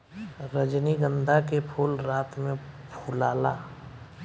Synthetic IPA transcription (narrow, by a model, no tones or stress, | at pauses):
ɾəd͡ʒniɡə̃nd̪ʱakepʰuːlɾaːt̪mẽpʰulaːlaː